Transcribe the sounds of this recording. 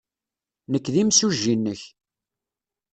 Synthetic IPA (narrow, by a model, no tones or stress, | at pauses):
nəkːðimsuʒːinːəç